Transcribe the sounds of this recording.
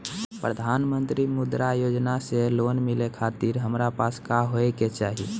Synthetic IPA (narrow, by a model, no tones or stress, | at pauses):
pɾəd̪ʱaːnmə̃nt̪ɾimʊd̪ɾajoːd͡ʒnaseloːnmɪlekʰaːt̪iɾɦəmɾapaːskaɦoeket͡ʃaːɦḭ